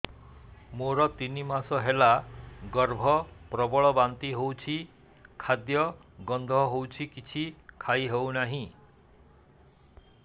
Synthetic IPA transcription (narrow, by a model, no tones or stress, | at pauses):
moɾɔt̪inimasɔɦelaɡɔɾbʱɔpɾɔbɔɭɔbant̪iɦowt͡ʃʰi | kʰad̪jɔɡɔnd̪ʱɔɦowt͡ʃʰikit͡ʃʰikʰajɦewnaɦĩ